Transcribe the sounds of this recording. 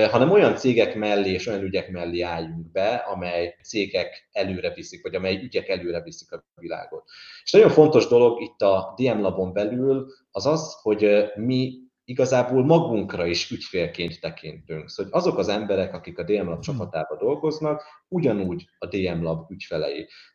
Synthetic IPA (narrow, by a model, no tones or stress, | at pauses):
ɦɒnɛmo̞jɒnt̪seːɡɛkmɛlːeːeːʃo̞jɒnyɟɛkmɛlːeːaːjːuŋɡbɛɒ̰mɛjt̪seːɡɛkɛløːɾɛvisikvɒɟɒmɛjyɟɛkɛløːɾɛvisi̥kɒ | vila̰ːɡo̞t̪eːʃnɒɟo̞ɱfo̞nt̪o̞ʒd̪o̞lo̞ɡit̪ːɒd̪eːɛmlɒbo̞mbɛlyl | ɒzɒzho̞ɟmi | iɡɒzaːboːlmɒɡuŋkrɒiʃycfeːlkeːnt̪ːɛkʰint̪yŋksɟɒzo̞kɒzɛmbɛɾɛkɒkikɒd̪eːɛmlɒb̚t͡ʃɒpɒt̪aːbɒd̪o̞lɡo̞znɒkuɟɒnuːɟɒd̪eːɛmlɒbycfɛlɛ̰jḛː